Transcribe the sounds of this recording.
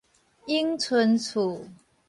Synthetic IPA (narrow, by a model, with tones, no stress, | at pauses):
i˦˥ŋt͡sʰwə˧˦nt͡sʰu˨˩˦